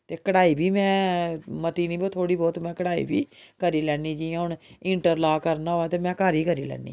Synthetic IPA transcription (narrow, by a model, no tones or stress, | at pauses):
t̪eːkəɽaːiːbʱiːmɛ̃ːmət̪iːniːbot̪ʰoːɽiːbɔːt̪mɛ̃ːkəɽaːḭːbiːkəɾiːlɛːniːd͡ʒiːãːɦʊɳɪɳʈəɾlaːkəɾnaːoaːt̪eːmɛ̃ːkaːɾiːkəɾiːlɛ̰ːnḭː